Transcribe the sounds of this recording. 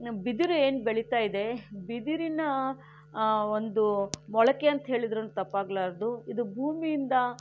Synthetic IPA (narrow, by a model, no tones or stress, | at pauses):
bid̪iɾueːnbeɭit̪aːjid̪e̞bid̪iɾinɐ | ond̪umɔɭɐkeɐnt̪ɐɦe̞ːɭid̪ɾɐnːut̪ɐpːaːɡlaːɾɐd̪uid̪ubʱuːmijind̪ɐ